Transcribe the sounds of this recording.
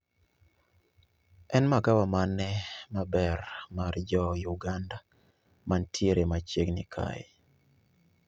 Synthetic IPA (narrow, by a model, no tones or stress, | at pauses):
ɛnmaɡawamanɛmabɛrmard͡ʒɔjuɡanda | mantʰjeɾemat͡ʃeɡnḭkʰa̰j